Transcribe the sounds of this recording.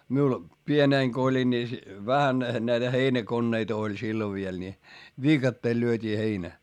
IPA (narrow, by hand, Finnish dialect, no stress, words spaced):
miul pieneˑŋ ko olʲin ni ʋæhæn næitæ heinækonːeit olʲ silːo ʋiel nʲi ʋiːkɑtːeːl lyøtʲiː heinæ